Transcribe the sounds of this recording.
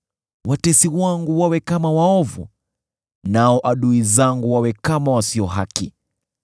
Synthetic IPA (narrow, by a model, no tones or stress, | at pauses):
watɛsiwaŋɡuwawɛkamawaɔvṵ | naɔʔaɗuizaŋɡuwawɛkamawasiɔɦaki